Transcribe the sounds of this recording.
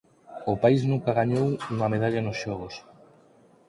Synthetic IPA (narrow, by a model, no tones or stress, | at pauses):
ʊpaiznũŋkaɣaɲowuŋɐmeðaʎanʊsʃɔɣ̞os